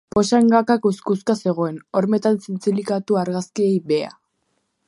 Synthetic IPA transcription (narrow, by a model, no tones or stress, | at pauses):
po̞ʃaeŋɡakakuskuskase̞ɣ̞o̞e̞no̞ɾme̞t̪ansint͡silikat̪uaɾɣaskie̞jβe̞a̰